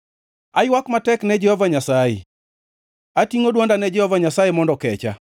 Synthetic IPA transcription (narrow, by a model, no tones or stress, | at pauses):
ajwakmatɛknɛd͡ʒɛhɔvaɲasajḛ | atiŋodwɔndanɛd͡ʒɛhɔvaɲasajemɔndɔkɛt͡ʃa̰